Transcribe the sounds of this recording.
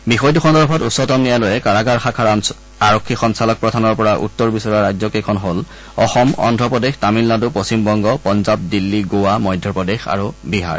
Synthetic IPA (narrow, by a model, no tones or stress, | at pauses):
bixɔjtuxʰɔndɔɹpʰɔtusːɔtɔmnijalojɛkaɹaɡaɹxakʰaɹ | aɹɔkʰːixɔnsalɔk̚pɹɔdʱanɔɹpɔɹaʔṵtːɔɹbisɔɹaɹajzɔkɛkʰɔnɦol | ɔxɔmɔ̰ndʱɹɔpɹɔdextamilːaduposimbɔŋɡɔpɔnzap̚dilːiɡowamɔjdʱjɔpɔdexa̰ɹubiɦa̰ɹ